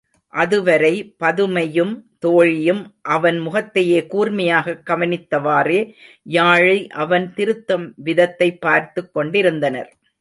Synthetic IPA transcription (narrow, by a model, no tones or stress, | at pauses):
ʔɐðɯʋɐɾɐɪpɐðɯmɐjɯmt̪oːɻɪjɯmʔɐʋɐnmʊɣɐt̪ːɐjeːkuːɾmɐjaːɣɐkːɐʋɐnɪt̪ːɐʋaːreː | jaːɻɐɪʔɐʋɐnt̪ɪɾɯt̪ːɐmʋɪðɐt̪ːɐɪpːaːɾt̪ɯkːɔɳɖɪɾɯnd̪ɐnɐ̰ɾ